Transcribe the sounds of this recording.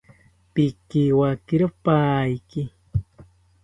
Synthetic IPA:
pikiwakiɾopaːjki

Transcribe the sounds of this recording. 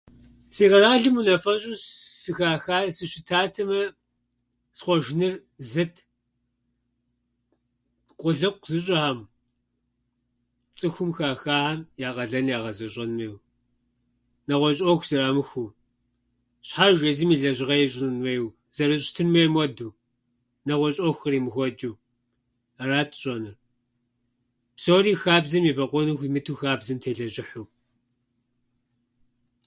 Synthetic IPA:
siːʁɐɾaːɮɨmunɐfɐɕʼusɨxaːxaːsɨʃɪtʰaːtʰɐmɐ | sχʷɔʒɪnɨr | zɐtʰ | qʷʼʊɮɨqʷzɨɕ̬ʼɐam | t͡sʼɨxʷʊmxaːxaːamjaːqʼɐɮɐnjaːʁɐzɐɕʼɐnmɐjw | nɐʁʷɔɕʼɔxʷz̥ɐraːmɨxʷu | ɕħarʒʷɐzimiːɮɐʑɪʁɐjɛɕʼɪnmɐjw | z̥ɐɾɨɕʼtʰɨnmɐjmwɔduː | nɐʁʷɔɕʼɔxʷɐriːmɨxʷɔd͡ʒuw | araːtʰʼɕʼɔnɨr | psoːriːxaːbzɐmiːbɐqʷʼɔnɨxʷimɨtʰuːxaːbzɐmtʰeːɮɐʒɪħup̚ʼ

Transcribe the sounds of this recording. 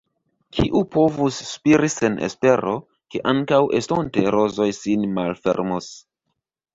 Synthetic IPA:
kʰiʔupo̞vusːpiɾise̞nḛspe̞ɾo̞ | ke̞ʔaŋkawʔḛstonte̞ɾo̞zo̞jsinmalfe̞̰ɾmos

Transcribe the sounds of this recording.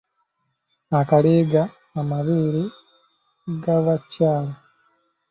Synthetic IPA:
akaliːɡaː | maβiːɾi | ɡaβacaːla

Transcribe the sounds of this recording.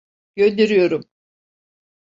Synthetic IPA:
ɟ̥ønd̪eɾyjo̞ɾum

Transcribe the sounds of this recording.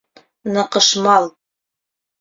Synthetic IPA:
nɤ̆qɤ̆ʃmɑlˠ

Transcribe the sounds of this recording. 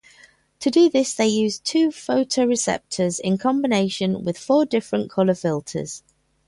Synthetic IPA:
tʰədəðɪsðeɪjʉːz̥tʰʉːfəʊtʰəʊɹɪsɛ̰p̚tʰəzɪ̃nkʰɒ̃mbɪneɪʃə̃nwɪð̥fɔːdɪfɹə̃nkʰʌləfɪlˠtʰə̰z̥

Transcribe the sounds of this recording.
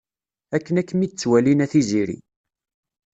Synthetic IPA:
ækːənækːəmid̪t͡sːwælinæθiziɾḭ

